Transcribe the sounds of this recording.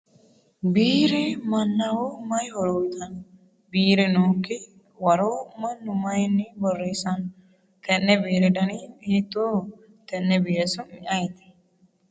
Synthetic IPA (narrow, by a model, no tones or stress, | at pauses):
biːɾɪmɐnːɐwomɐjhɔɾɔwɪt̪ɐn | biːɾɛnoːkːɪ | wɐɾoːmɐnːʊmɐjɛnːibɔrːeːsɐn | t̪ɛnːɛbiːɾɛd̪ɐniiːt̪ːoː | t̪ɛnːɛbijɛsʊnɪʔɐjt̪ɛ̥